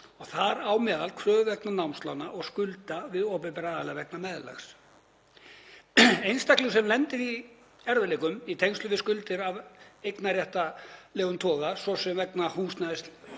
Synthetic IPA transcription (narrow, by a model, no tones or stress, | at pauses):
ɔɣθaɾawmɛːðalkʰɾœːvɛknanawmst̪la̰wnaʔɔɣskʏlt̪avɪðɔːpɪpɛɾaaːðalɛvɛk̚namɛðla̰xs | ejnst̪aklʏsɛmlɛnt̪ɪɾi | ɛɾvɪlekʏmit̪ʰejnst̪ʏvɪðskʏlt̪ɪɾavejknaɾrjɛht̪alɛːɣʏnt̪ʰɔːɣasɔsɛmvɛknahuːst̪naɪst̪